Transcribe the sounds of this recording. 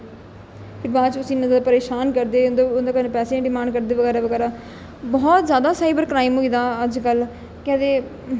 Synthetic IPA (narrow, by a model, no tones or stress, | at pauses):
pʰɪɾbaːt͡ʃt̪ʊsĩːnãd̪d̪pəɾeːʃaːnkəɾd̪eːʊnd̪d̪aːkənepɛːsẽːɖɪmãːɳɖkəɾd̪eːʋəɡɛːɾaːʋəɡɛːɾaː | bɔːt̪zjaːd̪aːsaːibəɾkɾaːimɦoid̪aːəd͡ʒkəl | kɛd̪eː